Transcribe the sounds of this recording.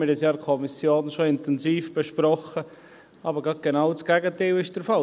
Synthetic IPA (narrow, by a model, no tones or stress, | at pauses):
ɪdɪsjɑːɾkʰɔmɪsjoːnʃoɪnt̪ɛnziːfb̥eʃpɾɔχə | ʔɑːbəɾɡɑt̚ɡ̥enawt͡sɡ̥ɛɡəteɪlɪʃd̥əɾfɑl